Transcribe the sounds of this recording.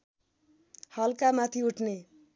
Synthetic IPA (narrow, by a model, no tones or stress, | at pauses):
hʌlkamat̪ʰiuʈʰne